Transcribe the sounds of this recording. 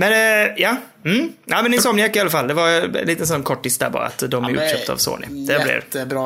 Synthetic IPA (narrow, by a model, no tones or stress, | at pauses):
mɛnjɑː | m̩ʔæɪmɛnːɪsɔmjɛkːɪalːafalːd̪ɛvaɾɛ̰nliːt̪əɛnsɔnːkʰɔʈːɪst̪d̪æ̰ɾbɑ̰ːɾa̰a̰t̪d̪ɔmæɾʉ̰ːɕøːp̚t̪a̰vso̰ːnɪ̰d̪̥ɛblɪ̰